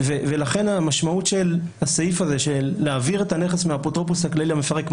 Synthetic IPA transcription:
vevelaχe̞namaʃmautʃel | asaifaze̞ʃelːeaviʁetane̞χesmeapot̪ʁopusakleliamefaʁekm

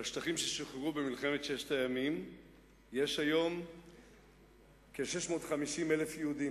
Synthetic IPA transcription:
aʃtaχimʃe̞ʃoχʁubemilχeme̞tʃeʃtajamim | je̞ʃhajo̞m | keʃe̞ʃmo̞ːtχamiʃimelefjehudi

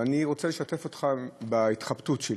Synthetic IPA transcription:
aniʁo̞t͡seleʃate̞fot̪χabait̪χabtutʃe

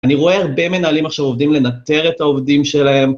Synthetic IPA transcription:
aniʁo̞e̞aʁbe̞me̞naːlimaχʃavo̞vd̪imle̞nat̪e̞ʁe̞t̪aovd̪imʃe̞laɦe̞m

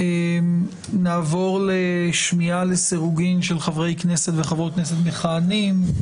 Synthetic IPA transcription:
em | naːvo̞ʁleʃmialesiʁuɡimʃelχavʁejkne̞set̪veχavʁojkneset̪meχaːnim

